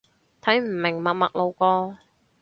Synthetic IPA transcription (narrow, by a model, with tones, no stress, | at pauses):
t̪ʰɐ˨˥jm̩˨˩mɪ˨˩ŋmɐ˨k̚mɐ̰˨k̚lo˨˧wkɔː˧